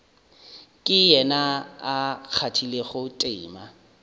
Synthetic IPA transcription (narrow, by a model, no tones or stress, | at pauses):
kʼɪjɛnaak͡xʰatʰileχʊtʼɪ̰ːma